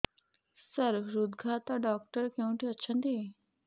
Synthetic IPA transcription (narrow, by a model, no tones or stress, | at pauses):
səɾɾud̪ɡʱaːt̪aɖaːk̚ʈəɾkeũʈ̪iətːʃʰə̃nd̪iː